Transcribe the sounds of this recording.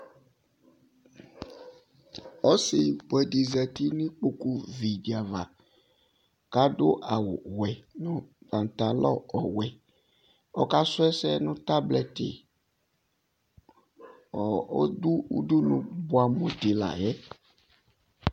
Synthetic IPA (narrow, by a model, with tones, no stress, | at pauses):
ɔ˦sɪ˨bo˨ɛ˨di˨zɛ˨t̪i˦nĩ˦k͡po˦ku˦vi˨di˨a˨va̰˨ | ka˦do˦ʔa˨wo˨wɛ˨nʊ̃˦ba˨n˨t̪a˨lɔ̰˦ɔ˨wɛ˨ | ɔ̰˦ka˦sʊ˦ɛ˦sɛ˦nʊ̃˦t̪a˦blɛ˨t̪ɪ̰˨ | ɔ˨o̰˦d̪u˦ṵ˦du˦nũ˨bo˨a˨mõ˨d̪e˨la̰˨jɛ˦